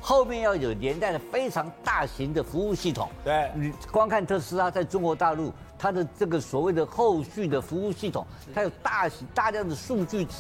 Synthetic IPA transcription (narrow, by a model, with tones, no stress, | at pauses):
xo˥˧ʊmjɛ˥˧njɑ˥˩ʊjo˨˩ʊljɛ˧˥nt̪a˥˩ɪlə˩fe˥ɪʈ͡ʂʰɑ˧˥ŋt̪a˥˩ɕi˧˥ŋd̪ə˨fu˧˥u˥˧ɕi˥˩t̪ʰʊ̰˨˩˦ni˨˩kwɑ˥ŋkʰa˥˧nt̪ʰɤ˥˩ʂɻ̩˥a˥t͡sa˥˩ɪʈ͡ʂʊ˥ŋkwɔ˧˥t̪a˥˧lu˥˩ | t̪ʰa˥d̪ə˨ʈ͡ʂɤ˥˩ɡə˩swɔ˨˩we˥˩ɪd̪ə˩xo˥˧ʊɕy˥˩d̪ə˩fu˧˥u˥˧ɕi˥˩t̪ʰʊ˨˩ŋt̪ʰa˥jo˨˩ʊt̪a˥˩ɕi˧˥t̪a˥˧ljɑ˥˩ŋd̪ə˩ʂu˥˧t͡ɕy˥˩˥